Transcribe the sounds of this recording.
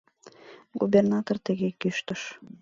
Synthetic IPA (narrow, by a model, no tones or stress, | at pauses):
ɡubernɑt̪ort̪ə̆ɣekyʃt̪əʃ